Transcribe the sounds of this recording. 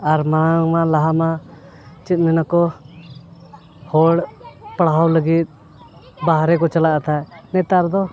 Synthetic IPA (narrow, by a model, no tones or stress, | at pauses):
aɾmaɽ̃aŋmalaɦama | t͡ʃit̪̚mɛnakɔ | hɔɽpaɽɦawləɡit̪̚ | baɦɾɛkɔt͡ʃalaʔat̪ʰanɛt̪aɾd̪ɔ